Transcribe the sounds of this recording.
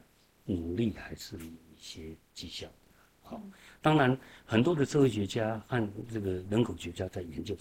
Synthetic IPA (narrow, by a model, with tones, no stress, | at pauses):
nu˨˩li˥˩xa˧˥ɪʂɻ̩˥˩˨i˥˩ɕjɛ˥ | t͡ɕi˥˧ɕjɑ˥˩ʊd̪ | xa˨˩˦ʊt̪ɑ˥ŋɻa˧˥nxə˨˩nt̪wɔ˥d̪ə˨˧t͡sʰɤ˥˧wɕɥɛ˧˥t͡ɕja˥xa˥˧nʈ͡ʂɤ˥˩ɡə˩ɻə˧˥nkʰo˨˩ʊɕɥɛ˧˥t͡ɕja˥t͡sa˥˩ɪjɛ˧˥nt͡ɕjo˥˧ʊ